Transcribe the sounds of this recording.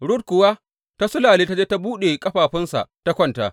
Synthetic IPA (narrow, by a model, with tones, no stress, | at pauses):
ɽʊ˦t̚kʷʊ˨waː˦ | ta˦sʊ˦laː˨leː˦ta˦d͡ʒeː˦ta˦buː˦ɗe˨kʼɐ˦ɸaː˨ɸɪ˦nsa̰˨ta˦kʷɐ˦nta̰˨